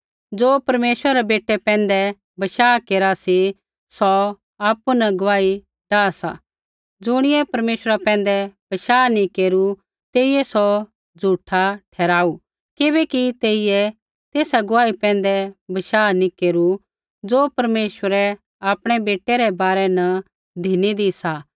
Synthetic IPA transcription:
d͡zoːpɐɾmeːsəɾɛɾɛbeːʈːɛpɛ̃ːnd̪ɛ | bɐʃaːkeːɾasi | sɔ | aːpːunɐɡʊʋaːi | ɖaːsa̰ | d͡zʊɽ̃ɪjɛpɐɾmeːʃəɾapɛ̃ːn̆d̪ɛb̥ɐʃaːnikeːɾu | t̪eːijɛsɔ | d͡zʱuːʈʰaʈʰɛːɾaːu | kɪbɛːkit̪eːɪjɛ | t̪eːsaɡʊʋaːipɛ̃ːnd̪ɛbɐʃaːnĩkeːɾu | d͡zoːpɐɾmeːʃəɾɛ | aːpɽ̃ɛbeːʈːɛɾɛbaːɾɛnɐ | d̪ʱinid̪isa

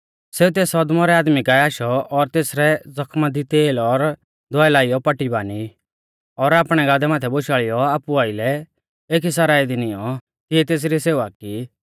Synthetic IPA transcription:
seːut̪eːsɔd̪mɔɾɛaːd̪mikaaːʃɔɔɾt̪eːsɾɛd͡zɔkʰmad̪it̪eːlɔɾ | d̪ʱɔɛlaːɪjɔpɐʈːibaːni | ɔɾaːpɽ̃ɛɡaːd̪ɛmaːt̪ʰɛboʃaːɭɪjɔaːpuaːɪlɛ | eːkisaɾaːid̪inijɔ | kɪɛt̪eːs̬ɾiseːʋaki

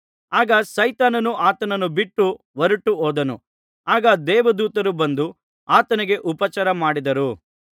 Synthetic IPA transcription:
aːɡɐsɐjt̪aːnɐnuaːt̪ɐnɐnubiʈːu | ʋɐɾuʈːuɦoːd̪ɐnṵ | aːɡɐd̪ɛːʋɐd̪uːt̪ɐɾubɐnd̪u | aːt̪ɐniɡe̞ʔupɐt͡ʃɐɾɐmaːɽid̪ɐɾu

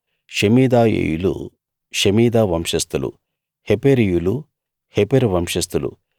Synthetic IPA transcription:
ʃemiːd̪aːjḛːjulṵ | ʃemiːd̪aːʋɐmʂɐst̪ulṵ | hepeɾijulu | hepeɾʋɐmʂɐst̪ulṵ

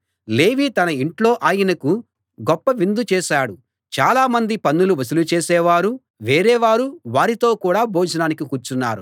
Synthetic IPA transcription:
leːʋiːt̪ɐnɐiɳʈlo̞ːʔaːjɐnɐku | ɡɔpːɐʋind̪ut͡ʃɛːʃaːɽu | t͡ʃaːlaːmɐnd̪ipɐnːuluʋɐsulut͡ʃeːsɛːʋaːɾu | ʋeːɾɛːʋaːɾuʋaːɾit̪o̞ːkuːɽaːboːd͡ʒɐnaːnikikuːɾt͡ʃunːa̰ːɾu

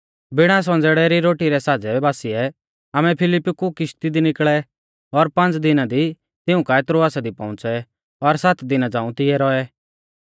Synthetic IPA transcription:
bɪɽ̃as̬ɔ̃nd͡zɛɽɛɾiɾoːʈiɾɛsaːd͡zɛbaːsɪɛ | amɛ̃pʰɪlɪpːkukɪʃt̪id̪inɪkɭɛ | ɔɾpɐ̃nt͡sd̪ɪnad̪i | t̪ɪũkaet̪ɾoaːsad̪ipɔ̃ʊ̃t͡sɛ | ɔɾsat̪ʰd̪ɪnad͡zãːũt̪ɪɛɾɔɛ

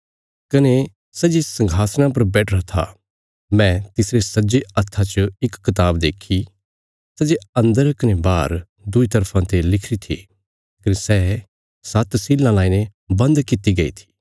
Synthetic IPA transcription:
kɐne | sɐd͡ʒesɐ̃ŋɡʱaːsñãp̬ɐɾbɛːʈʰɾɐt̪ʰa̰ | mɛ̃t̪ɪsɾesɐd͡ʒeɐt̪ʰːat͡ʃəɪkːɐt̪̬aːbd̪eːkʰi | sɐd͡ʒeɐ̃nd̪əɾkɐnebaːɾ | d̪ʊit̪ɐɾpʰãt̪elɪkʰɾit̪ʰḭ | kɐnesɛː | sɐt̪siːlãlaːinebɐ̃nd̪kɪt̪iɡɐḭt̪ʰi̥ː

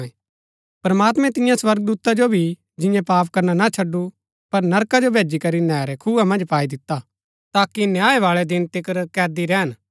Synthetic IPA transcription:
e | pɾɐmaːt̪mɛ̃t̪ɪjãswɐɾɡ̚d̪uːt̪ad͡ʒobʱi | d͡ʒɪ̃jãpaːpkɐɾnanat͡ʃʰɐɖːu | pɐɾnɐɾkad͡ʒobʱeːd͡ʒikɐɾinɛːɾɛkʰuːamɐ̃nd͡ʒpaːid̪ɪt̪ːa | t̪aːkinjaːeʋaːɭɛd̪ɪnt̪ɪkəɾkɛːd̪iɾɛɦən

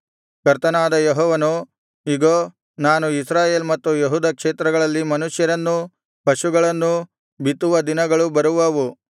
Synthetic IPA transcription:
kɐɾt̪ɐnaːd̪ɐjeɦɔːʋɐnu | iɡoː | naːnuisɾaːje̞ːlmɐt̪ːujeɦuːd̪ɐkʂeːt̪ɾɐɡɐɭɐlːimɐnuʂjɐɾɐnːu | pɐʃuɡɐɭɐnːu | bit̪ːuʋɐd̪inɐɡɐɭubɐɾuʋɐʋu

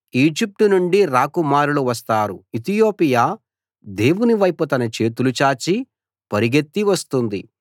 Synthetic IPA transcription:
iːd͡ʒip̚ʈunuɳɖiɾaːkumaːɾuluʋɐst̪aːɾuit̪ijo̞ːpijaː | d̪e̞ːwuniʋɐjput̪ɐnɐt͡ʃe̞ːt̪ulut͡ʃaːt͡ʃi | pɐɾiɡet̪ːiʋɐst̪und̪i

